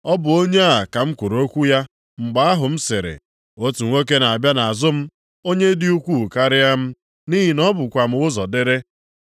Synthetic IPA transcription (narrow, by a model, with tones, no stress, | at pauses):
ɔ˦bʊ˨o˦ɲe˦a˦˨a˨ka˨m̩˦kʷu˨ɾo˦kʷu˦ja˦ | ŋ͡m̩˨ɡ͡ba˦a˦ɦʊ˨m̩˦se˨ɾḛ˨ | o˦tu˨ŋʷe˦k̬e˦na˨a˨bja˦na˨a˨zʊ˦m̩˦ | o˦ɲe˦dɪ˦u˦kʷu˦˨ka˦ɾɪ˦ja˦m̩˦ | ni˦ɦi˨nɔ˦bʊ˨kʷa˨m̩˦ʊ˦zɔ˨de˦ɾe˦